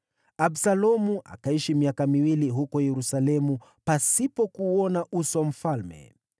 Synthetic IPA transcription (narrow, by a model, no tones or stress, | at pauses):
absalɔmuʔa̰kaiʃimiakamiwiliɦukɔjɛɾusalɛmu | pasipɔkuːɔnaʔusam̩falmɛ̰